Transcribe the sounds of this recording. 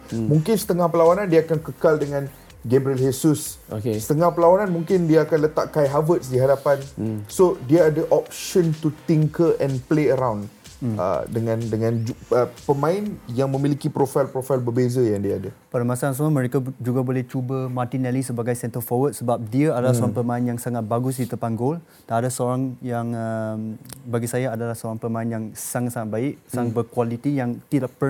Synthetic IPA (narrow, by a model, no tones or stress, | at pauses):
mũŋkɪnsə̥t̪əŋahpəlawanãndiaakankəkaldəŋãn | ɡɛbɾiəlɦesus | okesə̥t̪əŋahpəlawananmuŋkɪndiaakanlət̪a̰ʔkajɦavət̪sdiɦadapansodiaadəʔɔp̚ʃɔ̃nt̪ut̪iŋkəʔɛ̃npleəɾawn | ə̰dəŋãndəŋãnd͡ʒuəpəmãɪnjaŋmə̃milikipɾofajlpɾofajlbəbezajaŋdiaadapadamasaãs̬amaməɾekad͡ʒuɡabolɛht͡ʃubəmart̪inɛlisəbaɡajsɛnt̪əfɔwət̪̚səbap̚diəadalasoɾãŋpəmãinjaŋsaŋat̪̚baɡʊs̬dit̪əpanɡol | danadasəoɾaŋjaŋəmbaɡisajaadalahsəoɾaŋpəmãinjaŋsaŋat̪̚saŋat̪̚baɪʔsaŋabəkwalit̪ijaŋt̪idaʔpə